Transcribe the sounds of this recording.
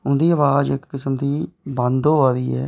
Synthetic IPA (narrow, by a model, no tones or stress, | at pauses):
ʊnd̪iːəʋaːd͡ʒɪkːɪsəmd̪iːbə̃nd̪oːɦaːɾiːɛ̰ː